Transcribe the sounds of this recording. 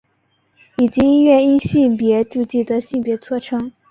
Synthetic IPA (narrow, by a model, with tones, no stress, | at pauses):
i˨˩t͡ɕi˧˥i˥ɥɛ˥˩ni˥nɕi˥˩npjɛ˧˥ʈ͡ʂu˥˧t͡ɕi˥˩d̪ə˨ɕi˥˩npjɛ˧˥t͡sʰwɔ˥ʈ͡ʂʰɤ˥ŋ